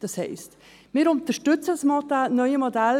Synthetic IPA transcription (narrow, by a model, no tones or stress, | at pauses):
d̥ɑshɛɪst | mɪːɾʊnt̪əʃtʏt͡sədsmɔdanœʏəmɔdɛl